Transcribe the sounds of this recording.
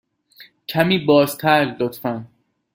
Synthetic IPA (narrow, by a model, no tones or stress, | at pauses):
cʰæmiːbɒːzt̪ʰæɾlot̪fæn